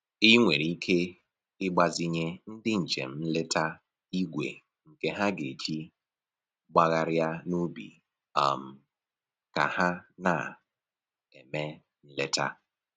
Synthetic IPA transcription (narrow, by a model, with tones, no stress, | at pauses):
i˦ŋʷe˨ɾi˦kʰe˦ | ɪ˦ɡ͡ba˨zɪ˦ɲe˦n̩˦dɪ˦n̩˨t͡ʃe˨m̩˨˦m̩˦le˦ta˦ | i˦ɡʷḛ˨ | ŋ̩˨ke˨ɦa˦ɡe˨t͡ʃi˦ | ɡ͡ba˦ɣa˦ɾja˦nu˦bḭ˨ | a˨m̩˨ | ka̰˨ha˦na̰˨ | e˨me˦ | n̩˦le˦ta˦